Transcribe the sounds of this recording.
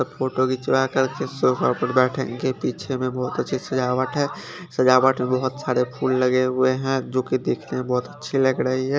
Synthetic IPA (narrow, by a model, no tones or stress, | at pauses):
əpʰoːʈokit͡ʃɪlakəɾkesoːfʰəɾpəɾbɛːʈʰḛ̃ŋɡepiːt͡ʃʰemẽbɔɦʊt̪ətːʃʰisɐd͡ʒaːʋəʈʰɦɛ̃ː | səd͡ʒaːʋəʈʰmẽbɐɦʊt̪saːɾepʰuːlːɐɡeɦʊeɦɛ̃d͡ʒoːkid̪eːkʰnemẽbɔɦʊt̪ətːʃʰilɐɡɾəɦiɦɛ̃